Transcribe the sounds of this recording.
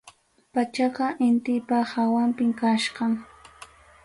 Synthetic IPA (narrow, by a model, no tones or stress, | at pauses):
pat͡ʃɑqɑʔɪnt̪ɪpahawampɪmkaʃqɑŋ